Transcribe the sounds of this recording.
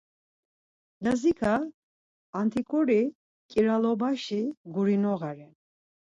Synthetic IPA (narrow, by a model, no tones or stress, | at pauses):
d̪azikʰaː | nt̪ʰikʼɔɾi | kʼiɾalɔbaʃiɡuɾinɔɣaɾɛn